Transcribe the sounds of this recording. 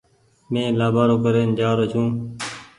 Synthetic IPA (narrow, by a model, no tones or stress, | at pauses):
mẽːlaːbaːɾoːkəɾeːnd͡ʒaːɾoːt͡ʃʰũː